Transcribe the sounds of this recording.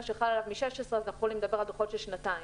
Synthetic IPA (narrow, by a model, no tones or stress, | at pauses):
ʃeχalalavmiʃeʃesʁeazanaχuxolimed̪abeʁald̪oχo̞tʃelʃnat̪ai